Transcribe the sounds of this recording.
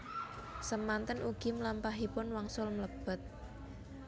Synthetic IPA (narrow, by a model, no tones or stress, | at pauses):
səmant̪ənʔuɡ̥imlampaɦipʊnwaŋsʊlmləb̥ə̤t̪̚